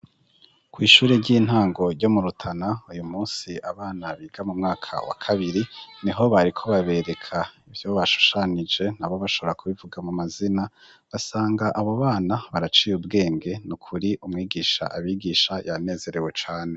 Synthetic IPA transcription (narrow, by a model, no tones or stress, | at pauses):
kwiːʃuːɾe̞ɾɟiːn̥haːŋɡo̞ɾɟo̞muɾutʰanaujumuːsiʔaβaːnaβiːɡamumŋaːkʰa̰wa̰kʰaβiɾiniɦo̞βaɾikʰo̞βaβe̞ɾe̞kʰaivjo̞βaʃu̥ʃanid͡ʒe̞n̥aβo̞βaʃo̞βoɾakuβivuɡamumazina | βasaːŋɡaʔaβoβaːnaβaɾat͡ʃiːjubɡe̞ːŋɡe̞nukʰuɾiʔumŋiːɡiʃa̰ʔaβiːɡiʃajane̞ːze̞ɾe̞we̞t͡ʃaːne̞